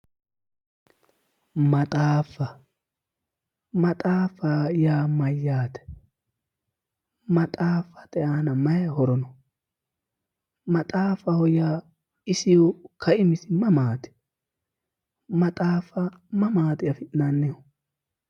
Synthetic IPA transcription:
mɐt̪ʼaːfːɐ | mɐt̪ʼaːfajaːmɐjːaːt̪ɛ̥ | mɐt̪ʼaːfːɐ̥t̪ʼɛjaːnɐmɐjɐhɔɾɔnɔ | mɐt̪ʼaːfɐhɔjaː | ɪsɪjɔkʰɐʔɪmɪsɪmɐmaːt̪ɛ̥ | mɐt̪ʼaːfɐ | mɐmaːt̪ɪjɐfɪʔnanːɛjɔ

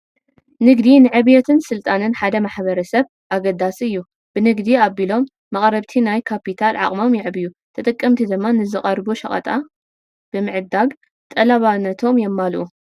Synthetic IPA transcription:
nɨɡd̪inɨʕɨβjɛt̪ʰɨnsɨlt̪ʼanɨnħad̪ɐmaħbɐɾɐsɐβ | ʔaɡɐd̪ːasɨjːu | b̥ɨnɨɡd̪iabilo̞mː | ɐχʼɾɐβt̪ʰinajkʰapit̪ʰalʕa̰χʼmo̞mjɪʕɨbɨju | t̪ʰɐt̪ʼɨkʼːɐmt̪ʰid̪ɨmːanɨzɨχʼɐɾbuʃɐ̰χʼɐ̰t̪ʼa | b̥ɨmɨʕɨd̪ːaɡ | t̪ʼɐlaβanːɐt̪ʰo̞mjɛmːalʔu

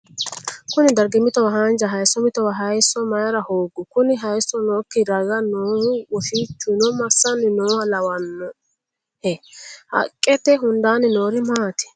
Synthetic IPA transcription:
kʊnɪd̪ɐɾɡɪmɪt̪ɔwɐɦɐnd͡ʒɐɦɐjsːɔmɪt̪ɔwɐɦɐjsːɔmɐjɾɐhoːɡːʊkʊnɪɦɐjsːɔnoːkːɪɾɐɡɐnoːhwɔʃit͡ʃːʊnɔmɐsːɐnɪnoːwɐlɐwɐnːɔ | hɛhɐ̰kʼːɛt̪ɛɦʊnd̪aːnɪnoːɾɪmaːt̪ɛ̥

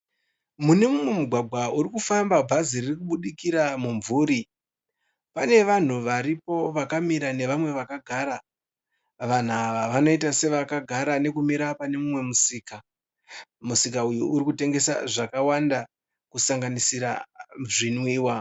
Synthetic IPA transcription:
mune̞mumwe̞muɡʱwaɡʱwauɾikufambabʱaziririkuɓuɗikiɾamuɱvuːɾi | pane̞ʋan̤uʋaɾipo̞ʋakamiɾane̞ʋamwe̞ʋakaɡʱaɾa | ʋan̤uaʋaʋano̞itase̞ʋakaɡʱaɾane̞kumiɾapane̞mumwe̞musiːka | musikaujuuɾikute̞ŋɡe̞sa̰ʐakawanda | kusaŋɡanisiɾaʐinwiːwa

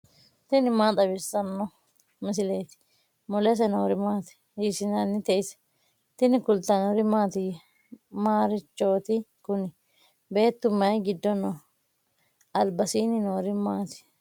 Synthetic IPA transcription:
t̪ɪnɪmaːt̪ʼɐbɪsɐnːɔ | mɪs̬ɪleːt̪ɪ̥ | mɔlɛs̬ɛnoːɾɪmaːt̪ɪ̥ | isɪnɐnːɪt̪ɛʔɪsɛ̥ | t̪ɪnɪkʊlt̪ːɐnɔɾɪmaːt̪ɪj | maːɾɪt͡ʃːo̞ːt̪ɪkʊnɪ | be̞ːt̪ːʊmːɐjɡɪd̪ːɔnɔ | ɐlbɐsiːnɪnoːɾɪmaːt̪ɪ̥

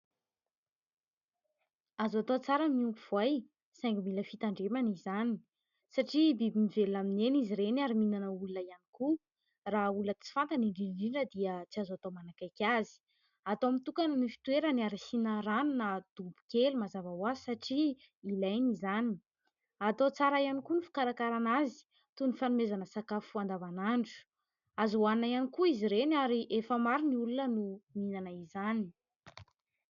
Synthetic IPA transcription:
azat̪ot͡saɾəmiuŋkuv̥aj | sajŋɡumiləfit̪aɳɖ͡ʐemanizani̥ | saʈ͡ʂibibimivelaminenizirenaɾiminanəulunəianiku | raulət͡si̥fant̪aniɳɖ͡ʐiɳɖ͡ʐiɳɖ͡ʐəd̪iət͡siazat̪omanakajkʲazi̥ | at̪oamint̪ukannifi̥t̪weɾaniaɾasinəɾanunad̪̥ubu̥kʲelumazavawazisaʈ͡ʂi | ilajnizani̥ | at̪ot͡saɾajanikunifu̥kaɾakaɾanazi̥ | t̪unifanumezanəsakafuand̪avanaɳɖ͡ʐu̥ | azuannajanikuiziɾenaɾiʔefəmaɾiniulunənuminanaizani

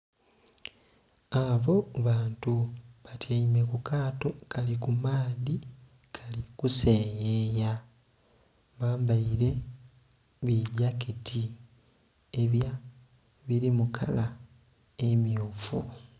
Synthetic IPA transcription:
aβo̞βaːntuβatʰeime̞kukaːtokʰalikumaːði | kʰalikusejeja | βaːmbaiɾe̞ | βiɟakitʰi | eβja | βiɾimukʰa̰la | emjoːfṵ

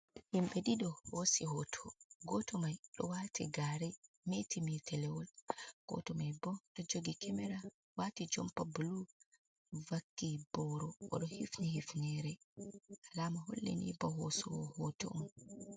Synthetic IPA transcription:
himɓɛɗiɗɔhosihɔtʰɔɡɔtɔmajɗɔwaːtʰiɡaːɾɛ | metʰimitʰɛlɛwɔlɡ̥ɔ̰tɔmajbɔɗɔd͡ʒoɡikʰɛmɛɾa | watid͡ʒɔmpabulu | vakːibɔɾɔʔɔ̰ɗɔhifnihifnɛɾɛ | ʔalaːmaɦo̰lːḛnḭbɔɦɔsɔwɔhɔtɔ̰ʔum

